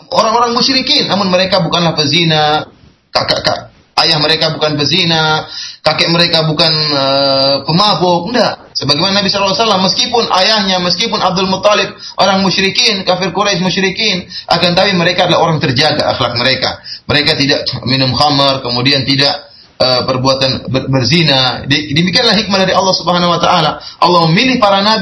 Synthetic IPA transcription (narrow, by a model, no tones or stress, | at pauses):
oɾaŋoɾaŋmʊʃɾikinːamʊnməɾekabukanlahpərzina | kakaʔka̰ʔ | ajahməɾekabukanbərzinakakɛʔməɾekabukanəpəmaɦʊk̚əndaʔ | səbaɡajmananabisalːaasalamːəskipʊnʔa̰jahɲaməskipʊnab̚dɔlmʊt̪ˤːalɪb̚ʔoɾaŋmuʃɾikinkafɪrkuɾajʃmuʃɾikinʔa̰kant̪awiməɾekaːdalaɦoɾaŋt̪ərd͡ʒaɡa̰ʔa̰xlak̚məɾeka̰məɾekat̪idaʔminʊmxamərkəmudiant̪idaʔ | əpərbuat̪anbəbərzinadidəmikianlahɦik̚madaɾiʔɑlˠːɑhsubəɦanawat̪aʔalaʔɑlːɑhməmilɪhpaɾanab